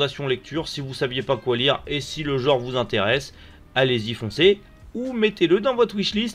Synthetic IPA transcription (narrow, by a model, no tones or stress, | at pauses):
d̪asjɔ̃lɛk̚t̪ʰyʁsivusavjepakwaliʁesiləʒɑ̃ʁvuzɛ̃t̪eʁɛs | alezifɔ̃se | umɛt̪eləd̪ɑ̃vɔt̪χwiʃlist̪